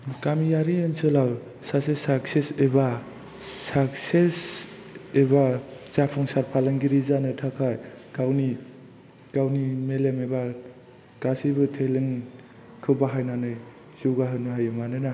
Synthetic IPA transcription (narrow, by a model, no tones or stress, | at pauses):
kamijaɾiɯnsɯlaw | sasesakseseba | sak̚ses | ebazapʰɔŋsaɾpʰalaŋɡiɾizanɯtʰakʰajɡawni | ɡ̥awnimelemeba | ɡ̥asibɯtʰelɯŋ | kʰɯbaɦajnanɯj | z̥iwɡaɦɯnɯɦajɯmanɯna